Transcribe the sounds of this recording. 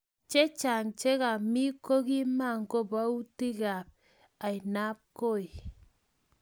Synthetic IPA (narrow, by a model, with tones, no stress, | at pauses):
t͡ʃe˦t͡ʃa˨ŋt͡ʃe˦ɣa˨mi˦ko˦ɣi˦ma˦˨ŋ̩˨ko˦ba˨˦u˦ti˦ɡa˨p̚ | a˨i˨na˦p̚ko˦˨i˨